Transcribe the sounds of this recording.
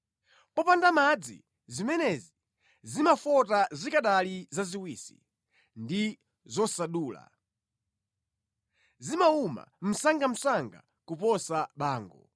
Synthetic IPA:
pɔpandamad͡zḭ | zimɛnɛzi | zimafɔtazikaɗalizaziwiːsi̥̰ | ndi | zɔsaɗuːla̰ | zimauma̰m̩saŋɡam̩saŋɡa̰ | kupɔsaɓaːŋɡɔ̰

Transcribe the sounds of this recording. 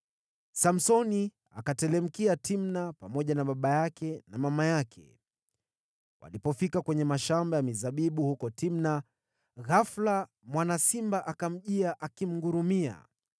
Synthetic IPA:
sam̩sɔni | a̰katɛlɛm̩kiatimnapamɔʄanaɓaɓajakɛnamamajakʰɛ̰ | wa̰lipɔfikakwɛɲɛmaʃambajamizaɓiɓuhukɔtimna | ɣafla | mwanasimbaʔakam̩ʄiaʔakim̩ɡuɾumia̰

